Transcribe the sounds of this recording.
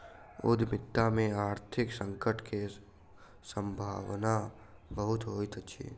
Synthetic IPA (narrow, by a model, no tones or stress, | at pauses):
ʊ̰d̪ʱmɪt̪ːamẽaːɾt̪ʰɪksə̃ŋkəʈʰke | sə̃mbʱa̰ːwna | bəɦʊt̪ɦoːit̪ət͡ʃʰḭː